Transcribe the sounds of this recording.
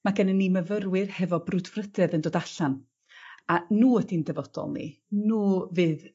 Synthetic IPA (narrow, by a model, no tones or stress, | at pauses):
maɡɛnənːiməvərwɨrhɛvɔbrʊdvrədɛðəndoːdaɬan | anuːədindɛvɔd̥ɔ̰lˠnḭnuːvɨːð